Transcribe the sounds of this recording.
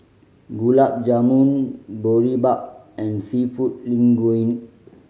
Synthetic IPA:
ɡulak̚d͡ʒamũnboɹibak̚ | ɛ̃nsifut̚lĩŋɡuĩn

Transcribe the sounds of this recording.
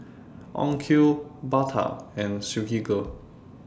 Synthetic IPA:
ɔ̰̃ŋkʰubat̪ʰa̰ɛ̃nsuɡiɡo

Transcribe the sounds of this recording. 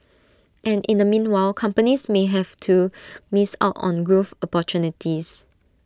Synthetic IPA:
ʔɛ̃nĩndəmĩnwaɪlkʰãmpənismeɦɛvtʰumisa̰ʊtɔ̰̃nɡɹofɔpɔtjunitʰis

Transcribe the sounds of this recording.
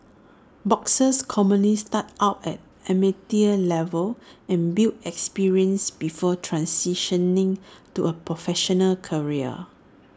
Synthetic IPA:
bɔksəskʰɔmə̃nlistat̚aʊtɛ̰t̚ | ɛmitiəlɛvəlɛ̃nbildɛkspiɹiə̃nsbifɔtʰɹãnsiʃə̃nĩŋtuʔəpɹɔfɛʃɔnəlkʰəɹiə̰

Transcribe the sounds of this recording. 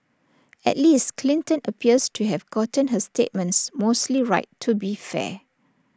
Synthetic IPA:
ɛ̰tlistkʰlĩntə̃nʔəpʰiəstʰuɦɛvɡɔtə̃nɦəstet̚mə̃ntsmostliɹa̰ɪtʰːubifɛ̰

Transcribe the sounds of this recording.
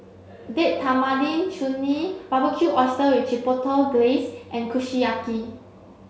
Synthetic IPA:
deʔ̚t̪ʰamadĩnʃunipabəkʰjuʔɔstəwift͡ʃipɔtəɡlesʔɛ̃nkʰuʃiaki

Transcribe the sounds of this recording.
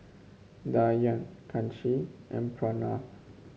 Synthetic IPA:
dajãnkʰãntiʔɛ̰̃npʰɹana

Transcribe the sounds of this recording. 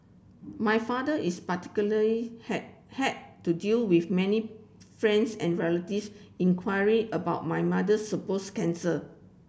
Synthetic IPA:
majfadəʔispati̥kjuləli | hɛt̚tːudilwifmɛ̃ni | fɹɛ̃nsɛ̃nɹɛlətifsĩnkʰwajɹiʔəbaʊt̚majmadəsːəposkɛ̃nsə

